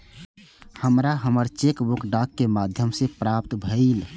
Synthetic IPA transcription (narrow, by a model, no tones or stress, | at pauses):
həmɾaɦəməɾt͡ʃekbukɖakːemad̪ʱjəmsepɾapt̪bʱəil